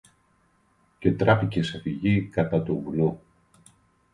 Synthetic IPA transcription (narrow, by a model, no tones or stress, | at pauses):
ce̞t̪ɾɐficesefiʝikɐt̪ɐt̪ovulu